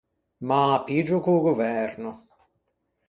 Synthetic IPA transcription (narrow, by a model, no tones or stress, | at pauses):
mapid͡ʒukuɡuvɛɾnu